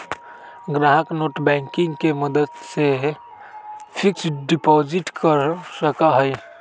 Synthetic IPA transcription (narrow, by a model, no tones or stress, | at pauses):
ɡɾaːɦəknoːʈbɛ̃ːŋkɪ̃ŋɡkeməd̪əd̪se | pʰɪksɖɪpɔːd͡ʒɪʈkəɾsəkaɦɛj